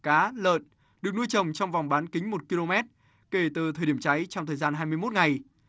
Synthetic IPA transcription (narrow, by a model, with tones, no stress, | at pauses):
kaː˨˦lə̰ː˧˨n | ɗɨ˨˩ək̚nu˧jt͡ɕə˨˩wŋ͡mt͡ɕɔ˧wŋ͡mva˨˩wŋ͡mɓaː˨˦nkï˨˦ŋ̟mo˨˩t̚ki˧lo˧mɛ˦˥t̚ | ke˧˩t̪ɨ˨˩t̪ʰəː˨jɗi˧˩əmt͡ɕa˨˦jt͡ɕɔ˧wŋ͡mt̪ʰəː˨˩jzaː˧nɦaː˧jmɨ˧əjmo˦˥t̚ŋa˨˩j